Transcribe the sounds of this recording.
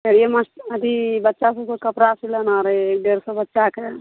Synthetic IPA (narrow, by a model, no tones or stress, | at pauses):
eɽijeməsʈəd̪ibətːʃasəb̚kekəpɾasilənaɾeek̚ɖeɾsəbətːʃake